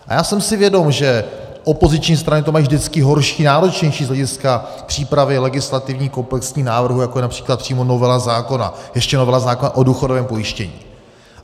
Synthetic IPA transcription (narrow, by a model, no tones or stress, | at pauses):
ʔa̰jaːsɛmsɪvjɛdo̞mʒɛ | ʔo̞po̞zɪt͡ʃɲiːst̪ɾanɪt̪omajivʒdɪt͡skɪɦo̞ɾʃiːnaːɾo̞t͡ʃɲɛjʃiːzlɛɟɪska | pr̥iːpɾavɪlɛɡɪslat̪ɪvɲiːko̞mplɛksɲiːnaːvr̩ɦujakojɛnapr̥iːklat̪̚pr̥iːmo̞no̞vɛlazaːko̞na̰jɛʃcɛnovɛlazaːko̞naʔo̞duːxodovɛːmpo̞jɪʃcɛɲḭː